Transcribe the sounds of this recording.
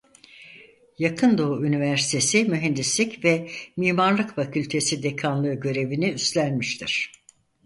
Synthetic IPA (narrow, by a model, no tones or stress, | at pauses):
jakʰɯnd̪o̞uynivæɾsi̥t̪ʰe̞simyɦɛnd̪islʲicvɛmiːmaɾlˠɯkfacʰylʲt̪ʰe̞sid̪ekʰanlˠɯːɟø̞ɾe̞viniyst̪lʲænmiʃt̪ʰiɾ̥